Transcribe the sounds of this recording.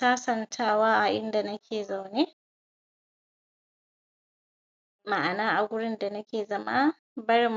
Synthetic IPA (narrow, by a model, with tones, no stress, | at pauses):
saː˦sɐ˨ntʰaː˦waː˦ʔa˨ʔɪ̰˦nda˨nɐ˦kʲʰeː˨za˨wneː˦ | ma˨ʔa˨naː˦ʔa˨ɡʷʊ˦ɽɪ˦nda˨nɐ˦kʲeː˨zɐ˦ma˦ | bɐ˦rm